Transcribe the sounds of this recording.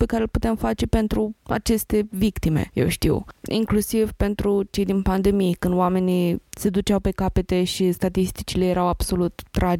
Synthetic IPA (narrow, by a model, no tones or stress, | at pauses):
pe̞kaɾelput̪e̞mfat͡ʃe̞pe̞nt̪ɾua̰t͡ʃe̞st̪e̞vikt̪imḛje̞̰wʃt̪ḭwḭŋklusivpe̞nt̪ɾut͡ʃe̞jd̪inpand̪e̞mijkɨnd̪oame̞nise̞d̪ut͡ʃawpe̞kape̞t̪e̞ʃist̪at̪ist̪i̥t͡ʃilejeɾawab̥so̞lut̪ːɾʔad͡ʒ